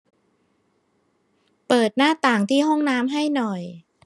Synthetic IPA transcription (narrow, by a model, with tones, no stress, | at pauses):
pɤː˨˩t̪̚naː˥˩t̪aː˨˩ŋt̪ʰiː˥˩ɦɔ˥˩ŋnaː˦˥mɦa˥˩jnɔ˨˩j